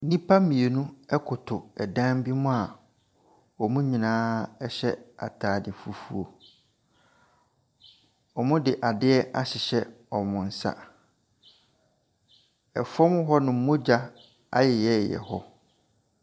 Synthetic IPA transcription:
nĩ˦pʰa˦mĩ˨e˨nũ˦ɛ˦kʰʊ˨tʰʊ˨ɛ˨dã˦m˦bi˦mʊ̃˦a˨ | ɔ˨mũ˦ɲĩ˨nãː˦ɛ˦ɕɛ˦a̰˨tʰaː˨dɪ˨fu˦fu˦o˨ | ɔ˨mʊ̃˦dɪ˨ʔa˨dɪ˦ɛ˦ʔa˦ɕɪ˨ɕɛ˦ | ɔ˨mʊ̃˨n̩˦sa̰˦ | ɛ˨fɔ˦mʊ˦ɦɔ˦nʊ̃˨m̩˦mʊ̃˦d͡ʑa˦ | a̰˦jɛ˨jɛ˦˨jɛ̰˨hɔ˦

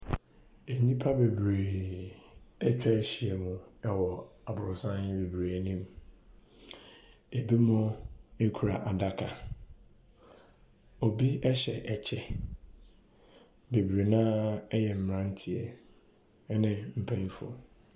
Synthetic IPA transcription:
e˨nĩ˦pʰa˦be˨bɾe˨ | ɛ˦t͡ɕᶣɛ˦ɕi˨ɛ˨mʊ̃˨ɛ˦wɔ˨a˨bʊ˨ɾʊ˨sã˦nɪ˦be˨bɾe˨nĩ˦m | e˨bi˦mʊ̃˦e˦kʰu˨ɾa˨ʔa˨da˦kʰa˨ | ɔ˨bi˦ɛ˦ɕɛ̰˨ʔɛ˨t͡ɕʰɛ˨ | be˨bɾe˨nã˦ɛ˦jɛ˨m̩˨m˨ɾã˦n̩˦tʰɪ˦ɛ˨˦ | nɪ̃˦m̩˨pʰæ̃˦n˦fu˦ɔ̰˨

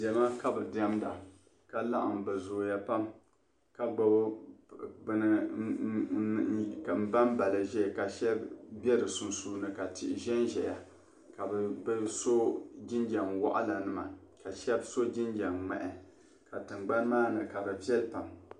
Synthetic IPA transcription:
dɛ˨ma˦ka˦bɨ˨da˦mda˨ | ka˦la̰˦ʔa̰˨m˨bɨ˨zoː˨ja˦pa˦m | ka˦˨ɡ͡ba˦ | bn˦˨ | km̩˦ba˦nba˨lɨ˨ʒɛ˦˨ka˨ʃɛ˦bbʲɛ˦ɾɨ˨su˨nsuː˦nɨ˦ka˨tɪ˨ʔʒɛ˦nʒɛ˨ja˨ | ka˨bɛ˨bso˦d͡ʒɪ˦nd͡ʒa˨ŋwa̰˦ʔa̰˦la˨nɨ˦ma˨ka˨ʃɛ˦bso˦d͡ʒi˦nd͡ʒa˨ŋmɛ̰˨ʔɛ˨ | ka˨tɨ˨ŋ͡mɡ͡ba˦nmaː˦nɨ˨ka˨bɨ˨vɛ˦lpa˨m

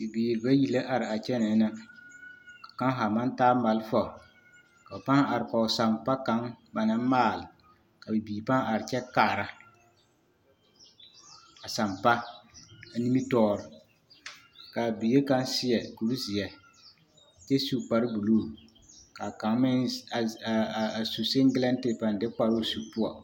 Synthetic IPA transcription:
bi˨biː˨ɾɪ˨ba˦ji˨la˦ʔa˨ɾɪ˨a˨t͡ʃɛ˦nɛ˨˦na˦ | kḁ˨ka˦ŋ˦ɦa˨ma˦ntaː˦ma˨lfa˨ | ka˨a˨pa˦ŋ˦a˨ɾɪ˨kɔ˨sa˨mpa˦ka˨˦ŋba˨na˦maː˦˨lɪ˨ | ka˨bɪ˨biː˨ba˦ŋ˦a˨ɾɪ˨t͡ʃɛ˦kaː˦˨ɾa˦ | a˨sa˨mpa˦ | a˨ni˦mi˦tɔː˦ɾɪ˨ | ka˨bi˨˦e˦ka˨˦nsɪ˦ɛ˨ku˨ɾzɪ˨ɛ˨ | t͡ʃɛ˦su˦k͡pa˨ɾɪ˦bu˨loː˦˨ | ka˨ka˨˦ŋ˦mɪ˦˨ | a˨su˨sɪ˦ŋɡɪ˦lɛ˦ntɪ˨pa˨ndɪ˦k͡pa˨ɾo˦˨su˦pʊ˦ɔ˨

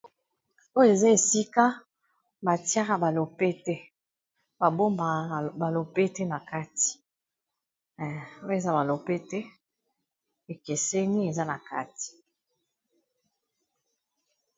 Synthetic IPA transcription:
o˦jo˦e˨za˦e˨si˦ka˦ | ba˨ti˦a˦ka˨ba˨lo˨pɛ˦tɛ˦ | ba˨bo˦mba˨ba˨lo˨pe˦tɛ˦na˨ka˦ti̥˨ | o˦je˨za˦ba˨lo˨pe˦tɛ˦ | e˨ke˨sɛ˦ni˦e˨za˦na˨ka̰˦ti̥˨

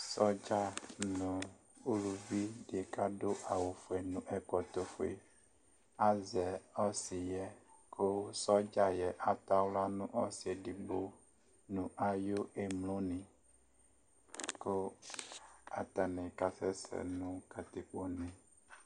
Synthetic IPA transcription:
sɔ˦d͡ʒa˦nũ˨ | u˦lu˨vi˦ɖe˨ka˦ɖo˦ʔa˨wo˨fo˨e˨nũ˦ʔɛ˦kɔ˨t̪o˦fo˨e˨ | a˦zɛ˨ɔ˦si˨jɛ˨kʰo˦sɔ˦d͡ʒa˦jɛ˨ʔa˨t̪a˦wla˦nũ˦ʔɔ˦si˨e˨ɖi˨ɡ͡bo˦ | nũ˨ʔa˨jo˦ʔe˨mlõ˦nĩ˨ | ko˦ | a̰˨t̪a˨nɛ̃˨ka˨sɛ˦sɛ̰˨nũ˦ka˨t̪i˨k͡po˦nɛ̃˨

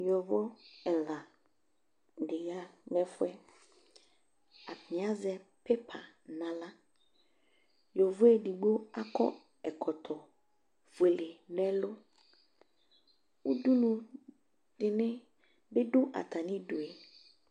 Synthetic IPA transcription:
jɔ˨vɔ˦ɛ˨la˨ | dɪ˨ɣa˦nɛ̃˦fʊ˦ɛ˦ | a˨pɪ̃˨a˦zɛ˨ | pɛ˦pʰa̰˨ | nã˨la˦ | jɔ˨vʊ˦ɛ˦di˨ɡ͡bo˦a˦kɔ̰˦ | ɛ˨kʰɔ˨t̪ʰɔ˨ | ve˨le˨nɛ̃˦lʊ˦ | u˦du˦nũ˨ | dɪ˨nɪ̃˦ | be˦dʊ˦ʔa̰˨t̪ʰa˨nɪ̃˦dʊ˨ɛ˨

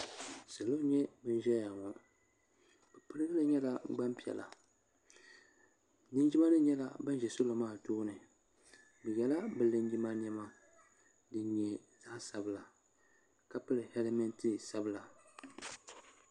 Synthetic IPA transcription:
sɨ˨lo˦ɲɛ˦bɨ˦n˦ʒɛ˦ja˨ŋɔ˨ | b̥ɛ˨pɨ˦ɾɨ˦ɡɨ˦lɨ˦ɲɛ˦la˦ɡ͡ba˦mpi˨ɛ̰˨la̰˨ | nɨ˦nd͡ʒi˦ma˦nɨ˦ɲɛ˦la˨ba˦n˦ʒɛ˨so˦lo˨maː˦˨toː˦nɨ˨ | bɨ˨jɛ˨la˦bɨ˨lɨ˦nd͡ʒi˦ma˦ɲ˦ɛ˦ma˦ | dɨ˦ɲɛ˦ | za˦sa˨bɨ˦˨la˨ | ka˦pɨ˦lɨ˨hɛ˦lɛ˦mɛ˦ntɨ˦sa˦bɨ˦˨la˨

